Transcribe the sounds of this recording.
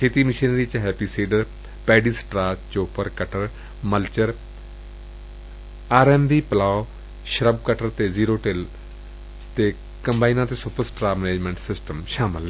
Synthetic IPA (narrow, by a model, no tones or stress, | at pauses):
kʰeːt̪iːmɪʃiːnɾiːt͡ʃɦɛːpiːsiːɖəɾ | pɛːɖiːsʈɾaːt͡ʃoːpəɾkəʈəɾ | məlt͡ʃəɾ | aːɾɛːmʋiːpəlaːo | ʃəɾəb̚kəʈəɾt̪eːziːɾoːʈel | t̪eː | kəmbaːinãːt̪eːsʊpəɾsʈɾaːməneːd͡ʒmɛ̃ːɳʈsɪsʈəmʃaːməl